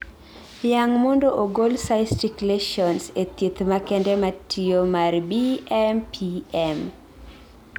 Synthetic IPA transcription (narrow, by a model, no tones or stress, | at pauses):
jaŋmondoʔoɡolsaɪstikleʃɔnset̪it̪makɛndɛmatʰijomarbiɛmpʰiɛm